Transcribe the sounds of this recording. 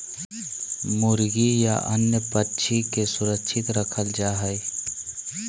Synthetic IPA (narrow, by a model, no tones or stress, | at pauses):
mʊɾɡija̰ʔɐ̰njəpətːʃʰikesʊɾəkʃʰɪt̪ɾəkʰəld͡ʒaːɦəj